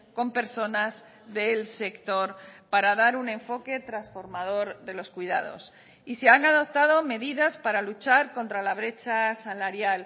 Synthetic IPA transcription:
ko̞mpe̞ɾso̞naz | ðe̞lse̞kt̪o̞ɾpaɾaðaɾunẽ̞ɱfo̞ke̞t̪ɾasfo̞ɾmað̞o̞ɾðe̞lo̞skwiða̰ð̞o̞̰s | iseaŋaðo̞p̚t̪að̞o̞me̞ðiðaspaɾalut͡ʃaɾko̞nt̪ɾalaβ̞ɾe̞t͡ʃasalaɾjal

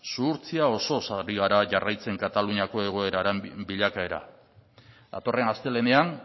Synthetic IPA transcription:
suːɾt͡siao̞so̞saɾiɣ̞aɾaʝarʔajt͡se̞ŋkat̪aluɲako̞e̞ɣ̞o̞e̞ɾaɾembiʎakae̞ɾa̰ | d̪a̰t̪o̞re̞nast̪e̞le̞ne̞an

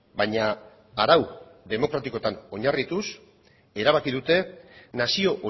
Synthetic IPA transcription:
baɲaː | ɾawðe̞mo̞kɾat̪iko̞t̪ano̞ɲarit̪us | e̞ɾaβ̞akiðut̪e̞nasio̞ʔo

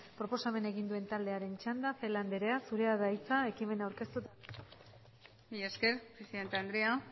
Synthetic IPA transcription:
pɾo̞po̞same̞neɣ̞ind̪ue̞nt̪ald̪e̞aɾe̞nt͡ʃand̪afe̞land̪eɾe̞asuɾe̞aðajt͡sae̞kime̞nawɾke̞st̪ut̪a | mijaskeɾpɾesiðe̞nt̪eand̪ɾia

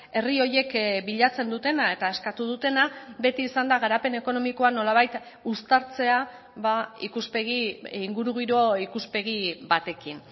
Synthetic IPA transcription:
e̞rio̞je̞kbiʎat͡se̞nd̪ut̪e̞nae̞t̪ae̞skat̪uð̞ut̪e̞nabe̞t̪iːsand̪aɣaɾape̞ne̞ko̞no̞miko̞ano̞laβ̞ajt̪ | ust̪aɾt͡se̞a | βaikuspeɣiiŋɡuɾuɣiɾo̞ikuspe̞ɣ̞iβat̪e̞kin

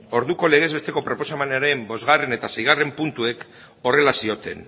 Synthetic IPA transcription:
o̞ɾðuko̞le̞ɣ̞e̞zβe̞st̪e̞ko̞pɾo̞po̞samanaɾe̞mbo̞zɣare̞ne̞t̪asejɣare̞mpunt̪ue̞k | o̞re̞lasio̞t̪e̞n

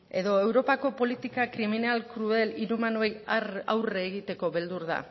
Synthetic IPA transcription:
e̞ðo̞e̞wɾo̞pako̞po̞lit̪ikakɾiminalkɾuðe̞liɾumanoejara̰wreːɣit̪e̞ko̞βe̞ld̪uɾða̰

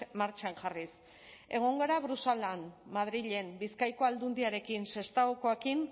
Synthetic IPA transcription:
maɾt͡ʃaŋʝaris | e̞ɣ̞o̞ŋɡo̞ɾaβɾusalanmað̞ɾiʎe̞mbiskajko̞ald̪und̪iaɾe̞kinse̞st̪aoko̞ekin

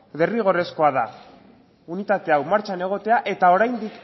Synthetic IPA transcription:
ðe̞riɣ̞o̞re̞sko̞aða | unit̪at̪e̞awmaɾt͡ʃane̞ɣ̞o̞t̪e̞aʔe̞t̪ao̞ɾajnd̪ik

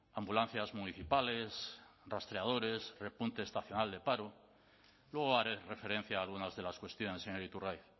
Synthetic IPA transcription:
ambulan̟θjazmuniθipale̞srast̪ɾeað̞o̞ɾe̞sre̞punt̪eːst̪aθjo̞nald̪e̞paɾo | lwe̞ɣoaɾere̞fe̞ɾẽ̞n̟θjaːlɣunazðe̞laskwe̞st̪jo̞ne̞seŋeɾit̪urajθ

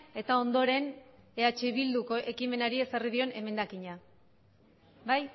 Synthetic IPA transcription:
e̞t̪ao̞nd̪o̞ɾe̞ne̞at͡ʃeβild̪uko̞ʔe̞kime̞naɾie̞sarið̞io̞ne̞me̞nd̪akiɲa | baj

